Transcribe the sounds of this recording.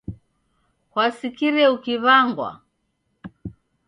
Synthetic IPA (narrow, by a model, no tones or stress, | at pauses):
kwasikiɾɛukiβaŋɡwa̰